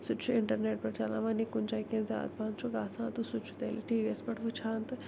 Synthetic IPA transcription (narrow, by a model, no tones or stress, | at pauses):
sʊt͡ʃʰuɪɳʈəɾneːʈ̚pɐɾt͡ʃalã̰ːʋanikʊnt͡ʃaikẽnza̰ːt̪̚pãːnt͡ʃʰoɡaːsãːt̪usʊt͡ʃʰu̥t̪eːliʈiːʋiespɐʈʰʋɨt͡ʃʰãːnt̪ɨ